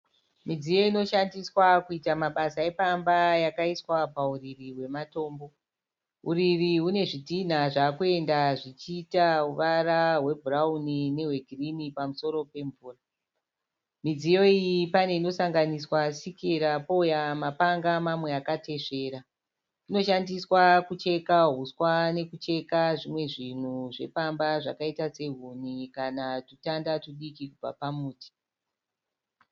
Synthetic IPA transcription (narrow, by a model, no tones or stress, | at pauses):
mid͡zijo̞ino̞ʃandiswakuitamaɓasae̞pambajakaiswapauririwe̞mato̞ːmbo̞ | ɦuɾiriɦune̞ʐitin̤aʐakue̞ndaʐit͡ʃiːtauʋaɾaɦwe̞bʱuraunine̞we̞ɡʱirinipamuso̞ɾo̞pe̞ɱvuːra | mid͡zijo̞ijipane̞ino̞saŋɡaniswasikiɾapo̞ujamapaŋɡamamwe̞akate̞ʂe̞ːɾa | ino̞ʃandiswakut͡ʃe̞kaɦuswane̞kut͡ʃe̞kaʐimwe̞ʐin̤uʐe̞̰pambaʐa̰kaitase̞ɦunikanatutandatuɗikikub͡va̰pamuːti̥